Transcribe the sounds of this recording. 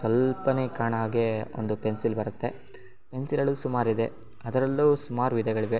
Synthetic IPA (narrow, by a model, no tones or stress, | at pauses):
sʋɐlpɐneːkaːɳɦaːɡeo̰nd̪upe̞nsilbɐɾɐt̪ːe̞ | pe̞nsiɾɐɭuːsumaːɾid̪e̞ | ɐd̪ɐɾɐlːuːsumaːɾuʋid̪ɐɡɐɭiʋe̞